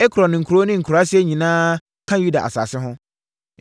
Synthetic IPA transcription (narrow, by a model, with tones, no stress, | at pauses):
ɛ˦kʰu˨ɾɔ˨nɪ̃˨ŋ̩˨kʰu˨ɾo˦nɪ̃˦ŋ̩˨kʰɾa˦sɪ˦e˦ɲĩ˨nãː˦ | kʰã˦ju˦da̰˨ʔa̰˨sa̰ː˨sɪ˦ɦʊ̃˦